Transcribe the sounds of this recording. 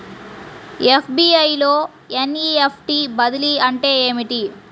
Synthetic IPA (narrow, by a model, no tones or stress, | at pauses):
epʰbiːɐjloː | eniːepʰʈiːbɐd̪iliɐɳʈe̞ːeːmiʈi